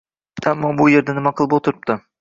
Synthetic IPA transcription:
amːɒbʊje̞ɾd̪anɪmaqʰɨlˠpot̪ʰɪɾɪp̚t̪ɪ

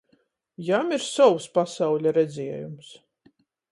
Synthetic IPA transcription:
jamiɾsɔwspasawʎʲaɾɛd̪zʲiɛjums

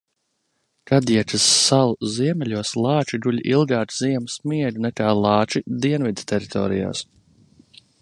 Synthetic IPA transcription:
kʰad̪iɛt̪asːalˠziɛmɛlʲuɔslˠɑːt͡ʃiɡulʲʔilˠɡaːt̪ziɛmsmiɛd̪ʲnɛkaːlˠɑːt͡ʃid̪iɛnvid̪t̪ɛɾit̪ʰɔ̰ːɾija̰ːs

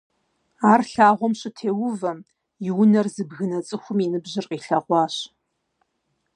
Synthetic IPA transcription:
aːrɬaːʁʷɔmɕɪtʰeːwʊvɐm | jɪwʊnɐrzɨbɣɨnɐt͡sʼɨxʷʊminɨbʑɪrqiːɬɐʁʷɑːɕ

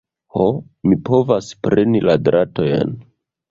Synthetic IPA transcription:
ho | mipo̞vaspɾe̞niladɾato̞jḛn

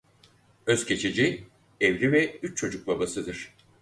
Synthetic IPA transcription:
ø̞z̥cʰe̞t͡ʃʰed͡ʒi | evɾivɛyt͡ʃt͡ʃʰo̞d͡ʒuk̚babasɯd̪ɯɾ̥

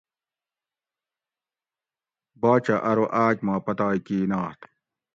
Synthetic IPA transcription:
baːt͡ɕɐʔɐɾoʔaːkmaːpɐt̪aːikiːnaːht̪

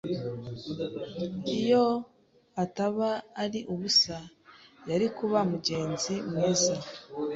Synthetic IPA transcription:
ijo̞ | ataβaːɾiʔuβusa | jaɾikuβamuɟe̞ːnzimŋeːza

